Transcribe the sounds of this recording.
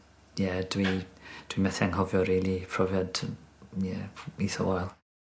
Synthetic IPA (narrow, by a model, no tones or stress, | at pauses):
jɛd̥wid̥wimɛθɛŋɦɔvjɔɾiːlˠipʰrɔvjadjɛiθə̰wajlˠ